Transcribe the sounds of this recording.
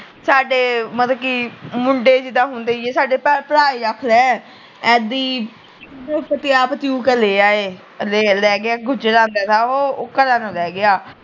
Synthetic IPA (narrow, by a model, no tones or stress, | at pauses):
saːɖeːmət̪ləkiːmʊɳɖeːd͡ʒɪd̪aːɦʊ̃nd̪eːeːsaːɖeːpəpəɾaːiːɾakʰlɛː | ɛːd̪iː | pət̪ɪjaːpət̪iũːkəleːaːeː | leːlɛːɡɪaːɡʊd͡ʒɾãːnd̪aːt̪aːoːkəɾãːnãːlɛːɡɪaː